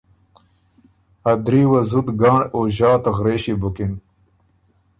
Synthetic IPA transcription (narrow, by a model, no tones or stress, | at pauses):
ɐd̪ɾiːwɐzut̪ɡaːɳoʑaːt̪ɣɾeːɕibukin